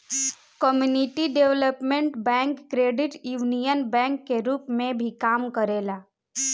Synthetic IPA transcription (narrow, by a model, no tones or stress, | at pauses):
kəmjunɪʈiɖeʋləpmẽɳʈbɛ̃ːŋkːɾeːɖɪʈjuːnijənbɛ̃ːŋkːeɾuːpmẽbʱikaːmkəɾeːlaː